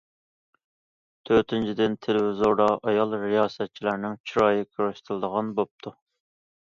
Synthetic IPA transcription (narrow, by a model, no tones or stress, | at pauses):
t̪ʰøɾt̪ʰɪnt͡ʃʰid̪ɪnt̪ʰɪlɪwɪzoɾɑʔɑjɑlˠɾijɑːsɛt̪̚t͡ʃʰilæɾnɪŋt͡ʃʰiɾɑjikʰʲøɾyʃt̪ʰɨlˠɨd̪əʁɑnbop̚t̪ʰu